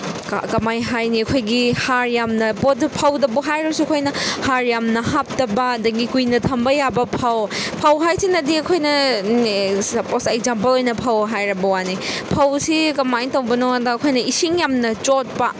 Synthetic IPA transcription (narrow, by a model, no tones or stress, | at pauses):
kɐmajɦajniɐkʰojɡihaɾjamnɐpopʰɐwdɐbuɦajɾɐbɐsuɐkʰojnɐhaɾjamnɐɦap̚tɐbɐdɐɡikujnɐtʰɐmbɐjabɐpʰawpʰɐwɦajsinɐdiɐkʰojnɐ | posekzampɐlojnɐpʰɐwɦajɾɐbɐwanipʰɐwsikɐmajtɐwbɐnoŋɐdɐːkʰojnɐisiŋjamnɐt͡ʃot̚pɐ